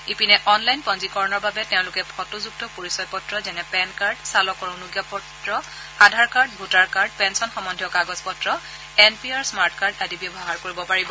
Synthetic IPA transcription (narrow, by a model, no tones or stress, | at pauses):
ipinɛʔɔnlajnpɔnzikɔɹɔnɔɹbabɛtɛʊ̃lʊkɛpʰɔtuzuk̚tɔpoɹisɔjpɔtɹɔzɛnɛpɛnkaɹɖsalɔkɔɹɔ̃nuɡjapɔtɹɔ | adʱaɹkaɹdbʱutaɹkaɹdpɛnsɔnxɔmɔndʱjɔkaɡɔzpɔtɹɔ | ɛnpiaɹsmaɹtkaɹdadibjɔbɔɦaɹkoɹibɔpaɹibɔ